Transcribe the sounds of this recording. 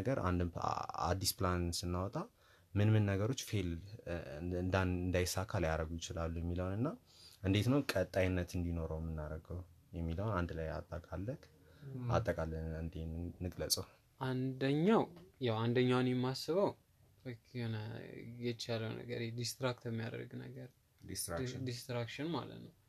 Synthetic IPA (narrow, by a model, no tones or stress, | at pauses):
ɡəɾa̰nd̪̰a̰d̪ːisplansɨnːawɔt̪ʼa | mɨnmɨnːəɡəɾo̞t͡ʃːfe̞l | ɨnd̪anɨnd̪ajsakʰaljaɾəɡujɪt͡ʃɪlalːujɛmːiləwnɨnːa | ʔɨnd̪e̞t̪nəwkʼət̪ʼːajnːət̪ɨnd̪ino̞ɾəwmːɨnːaɾəɡəw | jɛmːiləwnand̪laja̰t̪ʼːəkʼalːək | a̰t̪ʼːəkʼalːəɨnd̪enːɨkʼləsʼəw | ʔand̪əɲːawjawand̪əɲːawnjɛmːasːɨβəw | okʰhonəjɛt͡ʃaləwnə̰ɡə̰ɾɛd̪ist̪ɾakt̪ʰəmːijad̪ə̰ɾɡnə̰ɡəɾ | d̪ist̪ɾad̪ist̪ɾakʃɪnma̰lə̰t̪nəw